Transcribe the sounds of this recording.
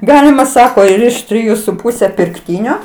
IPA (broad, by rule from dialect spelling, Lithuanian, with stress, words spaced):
ˈɡɑːlʲɪmɐ ˈsɑːkoː ɪr ɪʃ tʲrʲɪˈjuː sʊ ˈpuːsʲɛ pʲɪrkˈtʲiːnʲoː